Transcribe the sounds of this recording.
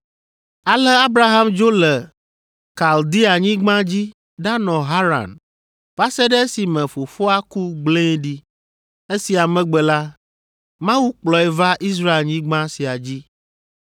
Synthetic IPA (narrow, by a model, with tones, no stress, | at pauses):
a˨lɛ˦a˦bɾa˦ɦa˦md͡ʒo˦lɛ˨ | ka˨ld̪i˦a˨ɲĩ˦ɡ͡bã˦d͡ʑi˦ | ɖa˦nɔ̃˨ɦa˦ɾa̰˨n | fa˦sɛ˦ɖɛ˦e˦si˨mɛ̃˨fo˨fo˦a˦ku˦ɡ͡blẽ˦ɖi˦ | e˦si˨a˨mɛ̃˨ɡ͡bɛ˨la˦ | mã˦wu˦k͡plɔ˨ɛ˨va˦ʔi˦s̬ɾa˦e˨lɲĩ˦ɡ͡bã˦si˨a˨d͡ʑi˦